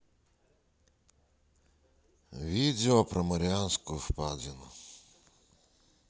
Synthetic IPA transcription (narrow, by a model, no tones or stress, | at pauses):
ʋʲidʲeɔpɾɔmɐɾʲansʲkʊʊfpad̪ʲɪnʊ̰